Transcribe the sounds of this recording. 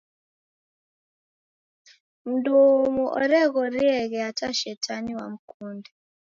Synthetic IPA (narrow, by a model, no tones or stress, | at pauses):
m̩domuʔɔ̰ɾɛɣɔɾiɛɣɛataʃɛtʰaniwa̰m̩kundɛ